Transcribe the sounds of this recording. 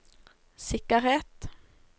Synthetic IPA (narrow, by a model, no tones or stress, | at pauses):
sɪkəʁheːt̪